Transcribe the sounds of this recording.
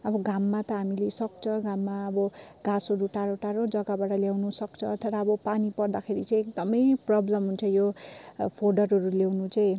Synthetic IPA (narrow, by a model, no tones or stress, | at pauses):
ʌbʌɡamːat̪ʌɦamilesʌk̚t͡sʰʌɡãmːaʌbʌɡãsoɾuʈaɾoʈaɾod͡zʌɡabaʈʌljawnusʌkt͡sʰʌt̪ʌɾaːbʌpanipʌrd̪akʰeɾit͡sʌj̃ek̚d̪ʌmʌjprʌblʌmɦunt͡sʰʌ̃jopʰoɖʌrɦʌɾulewnut͡saj̃